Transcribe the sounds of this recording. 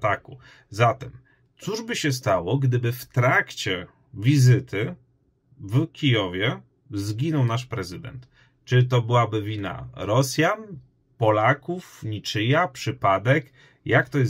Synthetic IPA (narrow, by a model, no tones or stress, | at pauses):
t̪aku | zat̪ɛm | t̪suʐbɘɕɛs̬t̪awɔɡd̪ɘbɘft̪ɾakt͡ɕɛ | vʲizɘt̪ʰɘ | vkʲijɔvʲjɛ | zɡʲinɔwnaʂpɾɛzɘd̪ɛ̰nt̪ | t͡ʂɘt̪ɔbɘwabɘvʲina̰ɾɔsʲjan | pɔlakufɲʲit͡ʂɘjapʂɘpad̪ɛk | jakt̪ɔjɛ